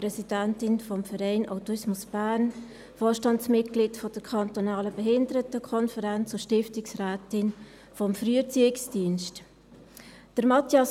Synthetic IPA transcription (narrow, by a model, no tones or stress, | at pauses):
pɾɛsid̥æntɪnfɔmfəɾɛɪnʔa̰ʊtuɪsmʊsb̥æːɾn | fɔːʃtɑntsmɪtɡ̥liːtfɔd̥əɾkʰɑntonɑːləbɛɦɪndəɾətəkʰɔnfəɾɛnt͡sʊʃtɪftɪksræːtɪn | fɔmfɾyːət͡siːɪksd̥iənʃt | d̥əɾmɑtjɑs